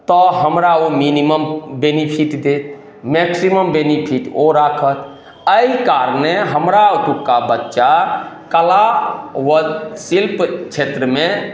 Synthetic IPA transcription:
t̪ɔɦəmɾaominiməmbenipʰiʈd̪et̪ | meksiməmbenipʰiʈoɾakʰət̪ | əikaɾneɦəmɾaot̪ukːabətːʃa | kəlawəsilpt͡ʃʰet̪ɾəme

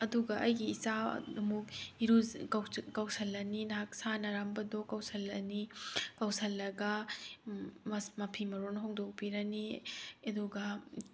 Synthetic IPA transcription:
ɐduɡɐʔɐjɡiːsa̰umuk̚iɾu | kɐwsɐlːɐninɐɦak̚sanɐɾambɐdɔkɐwsɐlːɐnikɐwsɐlːɐɡɐ | mmɐpʰimɐɾonɐɦoŋdok̚piɾɐniɐduɡɐ

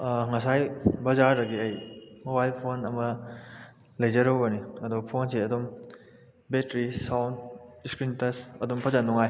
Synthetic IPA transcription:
ŋɐsajbɐzaɾːɐɡiɐjmobajlpʰonɐmɐ | lɐjzɐɾɐwbɐniɐdopʰonseɐdom | betɾisawniskɾintɐsɐdumpʰɐzanːɔŋaj

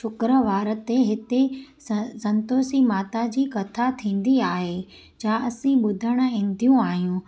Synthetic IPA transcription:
ʃʊkɾə̆ʋaːɾət̪eɦɪt̪e | sɐ̃nt̪oːsimaːt̪ad͡ʑiːkɐt̪ʰat̪ʰĩːn̆d̪iaːɦeː | d͡ʑaʔɐsĩɓʊd̪ʱəɽ̃ə̆ĩːn̆d̪ʱijũaːɦijũ

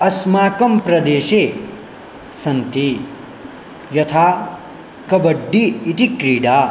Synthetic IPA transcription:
ɐsmaːkɐmpɾɐd̪eːʃeː | sɐnt̪i | jɐt̪ʰaː | kɐbɐɖːiːt̪ikɾiːɖaː

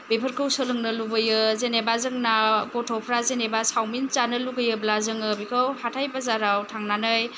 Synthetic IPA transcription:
bepʰəɾkʰɯwsɯlɯŋnɯlubɯjɯzenebazɯŋnaɡɔtʰɔpʰɾazenebasawmint͡ʃanɯluɡɯjɯblazɯŋɯbikʰɯwhatʰajbazaɾawtʰaŋnanɯj

